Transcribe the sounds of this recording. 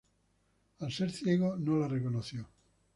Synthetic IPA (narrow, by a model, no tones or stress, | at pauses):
alseɾθjeɣ̞onolarekonoθjo